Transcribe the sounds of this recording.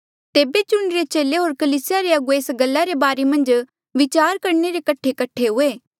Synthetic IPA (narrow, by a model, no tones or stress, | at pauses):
t̪eːbet͡ʃʊɽ̃ɾet͡ʃeːleɦoːɾkɐliːsɪjaɾeɐɡoeːsɡɐlːaɾebaːɾemɐ̃nd͡ʒ | ʋɪt͡ʃaːɾkɐɾɳeɾekɐʈʰːekɐʈʰeɦʊeː